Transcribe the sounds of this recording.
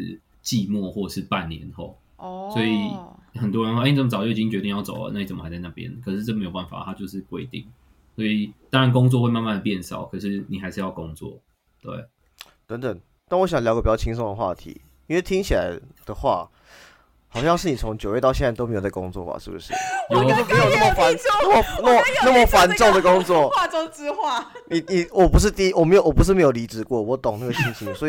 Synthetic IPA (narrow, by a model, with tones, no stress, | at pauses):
t͡ɕi˥˧mwɔ˥˧xwɔ˥˩˨ʂɻ̩˥˧pa˥˨˩nːjɛ̰˧˦nxo˥˩ʊ | swɔ˧˦˥i˨xə˨˩nt̪wɻə˧˥n˥˨˧t͡sə˨m˩ɑ˨˩t͡ɕjo˥˩˨i˨˩t͡ɕi˥ŋt͡ɕɥɛ˧˥i˥˧ŋjɑ˥˩ʊt͡so˨˩ʊlə̰˦na˥˩ni˨˩t͡sə˨˩mə˦xa˧˥ɪt͡sa˥˧na˥˩pjɛ̰˦nkʰɤ˨˩ʂɻ̩˥˧ɤ˥˩m˧˥jo˨˩pa˥˩fa̰˨˩t̪ʰa˥t͡ɕjo˥˧ʊʂɻ̩˥˧kwe˧˥ɪt̪ḭ˥˩ŋ | swɔ˧˥i˨˩t̪ɑ˥ŋɻa˧˦nk̬ʊ˥ŋt͡swɔ˥˧we˥˧ɪma˥˧ma˥˩d̪ə˩pjɛ˥˨nsɑ̰˨˩˦ʊkʰɤ˨˩ʂɻ̩˥˩ni˨˩xa˧˥ɪʂɻ̩˥˧jɑ˥˩ʊko˥ŋt͡swɔ̰˥˨˩ | t̪we˥˩ɪ | t̪ə˧˦nt̪ə˨˩ŋ | t̪a˥˩nwɔ˧˥ɕ̬ɑ˨˩ŋljʊə˩pi˨˩t͡ɕɑ˥˧˩t͡ɕʰi˥ŋʂ̬ɔ˥ŋd̪ə˩xwa̰˥˨˩t̪ʰḭ˧˥˦ | i˥we˥˧ɪt̪ʰi˥ŋt͡ɕʰi˨la̰˧˦ɪd̪̥ə˨xwa̰˥˩ | hɑ˨˩ʊɕɑ˥˧ŋʂ̬ɻ̩˥˩ni˨˩t͡sʰo˧˦˥ŋt͡ɕjo˨ʊɥɛ˥˧t̪ɑ˥˧ɕjɛ˥˧nt͡sa˥˧˩to˥˧me˧˥jt͡sa˥˩ko̰˧˥ŋt͡swɔ̰˥˩ba̰˨˩ʂɻ̩˥˩bṵ˩ʂɻ̩̰˥˩o˥˩˥t͡ɕo˥˨pu˧˥jo˨˩na˥˩mə˨fa˧˦n˥na˥˩mə˨˩na˥˩mə˨na˥˩˨mə˨fa˧˦nʈ͡ʂɔ˥˩ŋd̪ə˨˩ko˥ŋt͡swɔ˥˨˥ʈ͡ʂo˥t͡s̩˧xwa˥˩ni˨˩ni˨˩wɔ˨˩pu˧˥ʂ̬ɻ̩˥˧t̪i˥˧˥wɔ˨˩me˧˥jo˨wɔ˨˩pu˧˦ʂ̬̩˥˩me˧˥jo˨˩li˧˥ʈ͡ʂɻ̩˨˩kwɔ˥˩wɔ˨˦t̪o˨˩ŋna˥˩ɡə˩ɕʰi˥ŋt͡ɕʰi˧˥ŋswɔ˧˥i˨˩